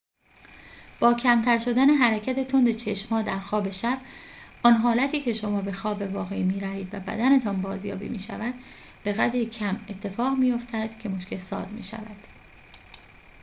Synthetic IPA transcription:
b̥ɒːcʰæmt̪ʰæɾʃo̞d̪æne̞ɦæɾæcʰæt̪ʰe̞t̪ʰo̞nd̪e̞t͡ʃʰe̞ʃmhɒːd̪æɾxɒːbe̞ʃæb̥̚ʔɒnɦɒːlæt̪ʰiːcʰe̞ʃo̞mɒːbe̞xɒːbe̞vɒːɣeimiːɾæviːd̪væ̰bæ̰d̪æne̞t̪ʰɒːnbɒːzjɒ̰ːbḭːmḭːʃæ̰væd̪̥ | b̥e̞ɣæd̪ɾicʰæme̞t̪ʰːe̞fɒːɣmiːjo̞ft̪ʰæd̪̥cʰe̞moʃcʰe̞lsɒ̰ːzmḭːʃæ̰væd̪̥

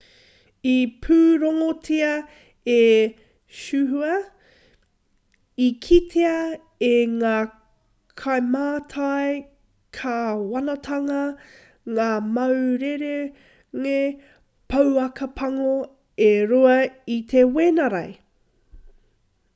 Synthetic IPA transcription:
ipʰʉːɾoŋotʰiɐ | e | ʃʉɦuɐ | ikʰit̪ʰeɐ | eŋaː | kʰajmaːt̪ʰaj | kʰɐwɐnɐt̪ʰɐŋɐ | ŋaːmɐwɾeɾe | ŋe | pʰɐwɐkɐpʰɐŋo | eɾoɐit̪ʰeweːnɐɾɐ̰j

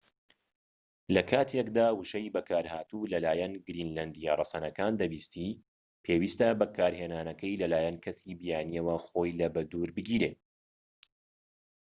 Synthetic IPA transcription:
lɐkʰaːt̪ʰekd̪aːwɨʃɐjbɐkʰaːɾhaːt̪ulɐlaːjɛnɡɾiːnland̪ijarˤɑsɐnɐkaːnd̪ɐbiːst̪i | pʰeːwiːst̪ɐbɐkʰaːɾheːnaːnɐkɐjlɐlaːjɐnkʰɐsibijaːnijɐwɐxo̞ːjlɐbɐd̪uɾbɨɡʲiːɾeː

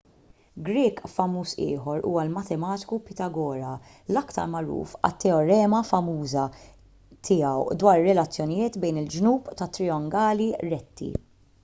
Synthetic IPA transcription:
ɡɾɪːkfɐmːuːsɪ̰ːħɔɾṵːwɐlmɐt̪ɛmɐːt̪ɪ̥kupɪt̪ɐɡɔːɾɐ | lɐkt̪ɐ̰ɾmɐɾṵːfɐ̰t̪ːɛɔɾɛːmɐfɐmuːzɐ | t̪ʰɪːɐwd̪wɐːɾɾːɛlɐt͡sːjɔnɪjɪːt̪bɛjnɪld͡ʒnuːpt̪ɐt̪ːɾɪɔŋɡɐːliɾɛt̪ʰːḭ

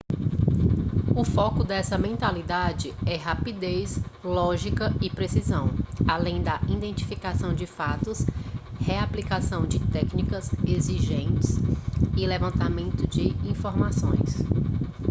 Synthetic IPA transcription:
ʊfɔkʊd̪ɛsɐmẽnt̪alid̪ad͡ʒɪɛɦapid̪eslɔʒikɐɪpɾesizɐ̃w̃alẽj̃d̪ɐʔĩd̪ẽnt͡ʃi̥fikasɐ̃w̃d͡ʒɪfat̪ʊsheaplikasɐ̃w̃d͡ʒɪt̪ɛknikɐzeziʒẽnt͡ʃɪsɪlevɐ̃nt̪amẽnt̪ʊd͡ʒɪĩfoɾmasõj̃s

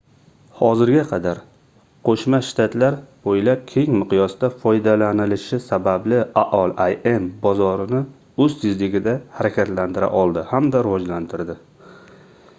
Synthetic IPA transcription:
hɒzɪɾɡʲaqʰɑd̪aɾ | qʰoʃmaʃt̪ʰat̪ʰlaɾbojlap̚kʲʰe̞ŋmɪqjɒsd̪afɒjd̪alanɪlɪʃɪsabablɪaʔɒlˠaje̞mbɒzɒɾɪnɪ | ɵzt̪ʰɪzlɪɡʲɪd̪ahaɾakʲʰat̪lant̪ʰɪɾa̰ʔɒlˠd̪ɪhamd̪aɾɪvɒd͡ʒlant̪ʰɪɾd̪ɪ

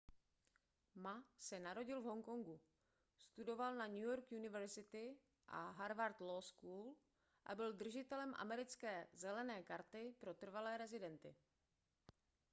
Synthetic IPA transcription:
masɛnaɾo̞ɟɪlvɦo̞ŋkoŋɡu | st̪udo̞valnaɲujoɾkjunɪvɛɾzɪt̪ɪ | ʔa̰ɦaɾvaɾt̪loskuːl | ʔa̰bɪld̪r̩ʒɪt̪ɛlɛmʔa̰mɛɾɪt͡skɛːzɛlɛnɛːkaɾt̪ɪpɾo̞t̪r̩valɛːɾɛzɪdɛnt̪ɪ̰

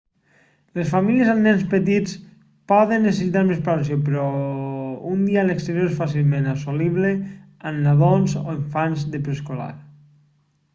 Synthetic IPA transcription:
lesfamiljezanɛnspət̪it͡s | pɔðənːesesit̪aɾmespalansopɾɔ | und̪ialekst̪eɾjoɾesfas̬ilˠmẽnasoliβle | anːaðonzo̰eɱfanzðepɾeskola̰ɾ

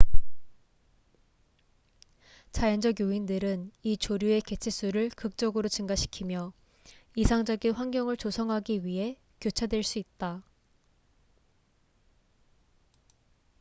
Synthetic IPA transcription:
t͡ɕajʌnd͡ʑʌɡjoindɯɾɯnit͡ɕoɾjue̞ke̞t͡ɕʰes͈uɾɯɭkɯk̚t͡ɕ͈ʌɡɯɾot͡ɕɯŋɡaɕʰi̥kʰimjʌ | isʰaŋd͡ʑʌɡinɸwaŋɡjʌŋɯɭt͡ɕosʰʌŋɦaɡiɥiɦe̞ | kjot͡ɕʰadwe̞ɭs͈uit̚t͈a

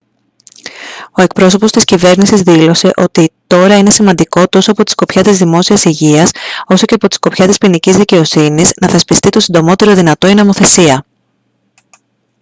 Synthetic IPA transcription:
o̞e̞k̚pɾo̞sopo̞st̪iscive̞ɾnisizðilo̞se̞ʔo̞t̪it̪o̞ɾɐine̞simɐnd̪iko̞t̪o̞soɐpo̞t̪i̥sko̞pçɐt̪izðimo̞siɐsiʝiɐso̞so̞ce̞ɐpo̞t̪i̥sko̞pçɐt̪ispinicizðice̞o̞siniznɐθespist̪it̪o̞sind̪o̞mo̞t̪e̞ɾo̞ðinɐt̪o̞inomo̞θe̞siɐ

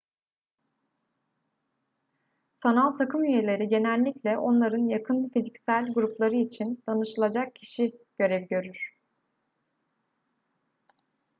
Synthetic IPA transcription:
sanalˠt̪ʰakʰɯmjyje̞lʲe̞ɾiɟe̞nælʲːiclʲɛʔo̞nlˠaɾɯnjakʰɯnfizicsælʲɡuɾuplˠaɾɯit͡ʃʰind̪̥anɯʃɯlˠad͡ʒak̚cʰi̥ʃiɟ̥ø̞ɾɛvɟø̞ɾyɾ̥

